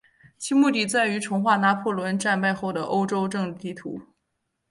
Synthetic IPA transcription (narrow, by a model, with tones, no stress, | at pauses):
t͡ɕʰi˥mu˥˩t̪i˥˨˩t͡sa˥˩ɪy˧˥ʈ͡ʂʰʊ˧˥ŋxwa˥˩na˧˥pʰɔ˥˩lwə˧˥nʈ͡ʂa˥˧npa˥˧ɪxo˥˩ʊd̪ə˩ʔo˥ʊʈ͡ʂo˥ʊʈ͡ʂɤ˥˧ŋt̪i˥˩t̪ʰṵ˧˥